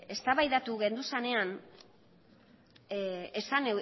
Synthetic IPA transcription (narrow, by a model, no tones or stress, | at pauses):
e̞st̪aβajðat̪uɣe̞nd̪usane̞an | esane